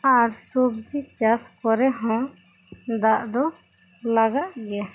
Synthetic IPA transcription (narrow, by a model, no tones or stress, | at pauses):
aɾsubd͡ʒit͡ʃaskɔɾɛɦɔ̃ | d̪aʔd̪ɔ | laɡaʔɡɛa